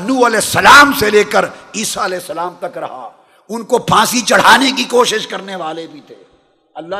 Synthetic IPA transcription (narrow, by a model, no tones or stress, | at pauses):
nuːɐlɛːsːɐlaːmseleːkəɾiːsaɐlɛːsːɐlaːmt̪ɐkɾɐ̰ɦa̰ | ʊnkopʰãːsit͡ʃɐɽ̤aːnekikoːʃɪʃkɐɾneʋaːlebʱit̪ʰeː | ɐlːa